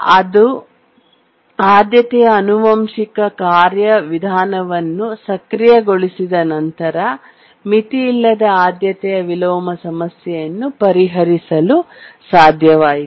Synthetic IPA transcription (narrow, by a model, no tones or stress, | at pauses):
ɐd̪u | aːd̪jɐt̪ɛjɐːnuʋɐmʃikɐkaːɾjɐʋid̪ʱaːnɐʋɐnːusɐkɾijɐɡo̞ɭisid̪ɐnɐnt̪ɐɾɐ | mit̪iːlːɐd̪ɐaːd̪jɐt̪ɛjɐʋilɔːmɐsɐmɐsjɛjɐnːupɐɾiɦɐɾisɐlu | saːd̪ʱjɐʋaːji